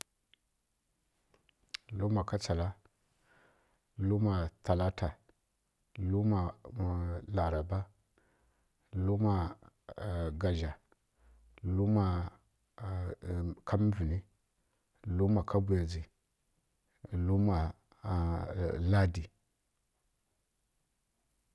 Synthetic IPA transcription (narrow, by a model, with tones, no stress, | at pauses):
lu˦ma˨ka˦t͡sa˨la˦ | lu˦ma˨ta˨la˦ta˨ | lu˦ma˨ | la˨ɾa˨ba˦ | lu˦ma˨ | ɡa˨ʒa˨ | lu˦ma˨ | kʰa˦m˦vi˨ni˦ | lu˦ma˨kʰa˦bu˨ja˨d͡zi˨ | lu˦ma˨ | la˦di˨